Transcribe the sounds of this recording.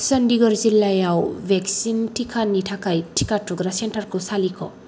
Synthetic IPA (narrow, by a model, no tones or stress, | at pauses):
sɐndiɡɔɾzilːajawbeksintʰikʰanitʰakajtʰikatɔɡɾasenʈaɾkusalikʰɔ̰